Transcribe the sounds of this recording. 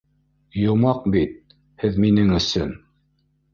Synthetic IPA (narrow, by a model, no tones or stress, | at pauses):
jŏmɑq̚bit̪̚ | hɘðminɘŋɵ̆sɵ̰n